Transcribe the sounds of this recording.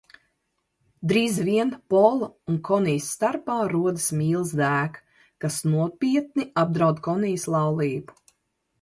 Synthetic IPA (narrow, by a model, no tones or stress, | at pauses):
d̪ɾiːzviɛnpɔlˠunkʰɔnijsːt̪aɾpaːɾuɔd̪ɨsmʲiːlˠzd̪æːk | kasnuɔpʲiɛt̪̚niab̚d̪ɾawd̪kɔnijslˠɑwlˠiːbu̥